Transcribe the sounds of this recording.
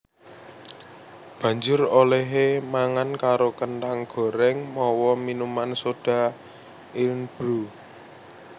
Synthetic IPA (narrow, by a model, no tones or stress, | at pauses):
b̥ä̤ɲd͡ʒʊrolɛɦemaŋankaɾokəntaŋɡ̥ɔ̤ɾɛŋmɔwɔminumansod̥a̤ | ʔɪnb̥ɾu